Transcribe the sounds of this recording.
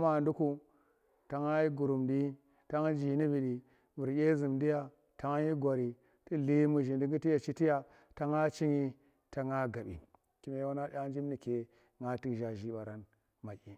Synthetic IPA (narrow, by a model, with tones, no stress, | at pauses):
ma˨ndu˦ku˦ | ta˨ŋa˦ji˦ɡu˨ɾu˨mdi˦ | ta˦ŋ˦d͡ʒi˨ni˦bi˨ɗi˨ | bu˨ɾjʲe˦zi˨mdi˦ja˦ | ta˨ŋ˦ji˦ɡʷa˨ɾi˨ | ti˦li˦mu˨ʒi˨ndi˦ŋɡi˦ti˦ja˨t͡ʃi˦ti˦ja˨ | ta˨ŋa˦t͡ʃi˦ɲi˦ | ta˨ŋa˦ɡa˨ɓḭ˨ | ki˦me˦jwa˦na˦a˦n˦d͡ʒi˦m˦ni˨ke˨ | ŋa˦ti˦˨ʒa˨ʒi˦ɓa˨ɾa˦n | ma˨ki˦